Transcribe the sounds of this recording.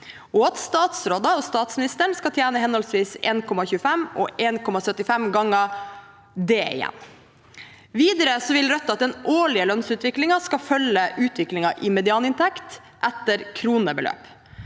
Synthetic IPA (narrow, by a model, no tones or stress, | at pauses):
ɔɑt̪st̪ɑːt̪sɾoːd̪ɑɔst̪ɑːt̪smɪnɪst̪əɳskɑt̪ʰjæːnəɦɛnɔlsʋiːsḛːnkʰɔmɑçʉːəfɛmɔ̰ʔeːnkʰɔmɑsœt̪ːɪfɛmɡɑŋːə | d̪eːɪ̰jɛ̰nː | ʋiːd̪əɾəsɔʋɪlɾœt̪ːɑt̪̚d̪ɛnʔoːɭɪəlœnsʉːt̪ʋɪklɪŋɑskɑfœləʔʉːt̪ʰʋɪklɪŋɑʔɪmɛd̪ɪɑːnɪnt̪ʰɛkt̪ | ʔæt̪ːəɾkʰɾuːnəbəlø̰ːp